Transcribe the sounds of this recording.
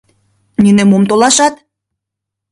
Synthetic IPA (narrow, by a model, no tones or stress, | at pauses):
nynemomt̪olɑʃɑt̪